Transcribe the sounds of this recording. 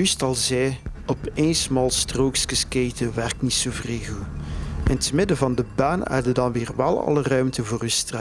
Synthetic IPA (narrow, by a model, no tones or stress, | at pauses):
ystɑlˠzɛjɔpeːnsmɑlˠstroːkskəskejtəʋɛrk̚tnitsoːvreːɣuʔɪntəmɪdəvɑndəbaːnɛ̰rdədɑnʋɪːrʋɛlˠɑ̰lˠərœɥmtəvoːrəstra